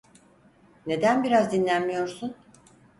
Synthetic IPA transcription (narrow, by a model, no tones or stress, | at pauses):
ne̞d̪ænbiɾazd̪inlʲænmijo̞ɾsun